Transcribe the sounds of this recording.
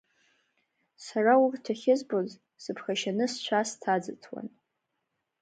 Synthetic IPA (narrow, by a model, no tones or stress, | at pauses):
saraurtʰaχʲɪzboz | sɨpʰχaʃanɨst͡ʃʷʰastʰad͡zɨtʰwa̰n